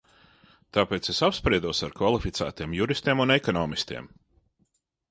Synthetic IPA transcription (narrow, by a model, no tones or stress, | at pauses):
t̪aːpeːt̪sesapspɾiɛd̪uɔsaɾkvalˠifit̪sæ̰ːt̪iɛmjuɾist̪iɛmunɛkɔnɔːmist̪ḭɛm